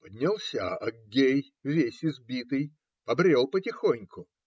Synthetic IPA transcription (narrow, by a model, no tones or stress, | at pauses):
pədʲnʲɪlˠsʲa̰ɐɡʲej | vʲesʲɪzbʲit̪ɨj | pɐbɾʲelˠpətʲɪxonʲkʊ